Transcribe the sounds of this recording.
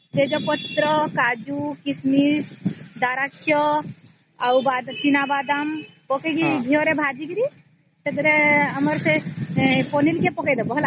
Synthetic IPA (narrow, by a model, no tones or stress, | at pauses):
t̪ed͡ʒɔpɔt̪ːɾɔkad͡ʒukismisd̪aɾakʰjɔ | awbad̪t͡ʃinabad̪ampɔkeɡiɡʱijɔɾebʱad͡ʒikɾi | sed̪ɾeəməɾse | pɔnilkepɔkɛd̪ɔbɔɦla